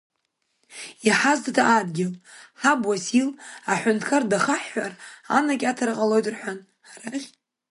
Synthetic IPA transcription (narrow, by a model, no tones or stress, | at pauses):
iħaztʰatʰaʔadɡʲɪlħabwasilaħʷʊntʰkʰardaχaħːara̰nakʲatʰarqʼalo̞jtʼrħʷᶣan | ħaraχʲ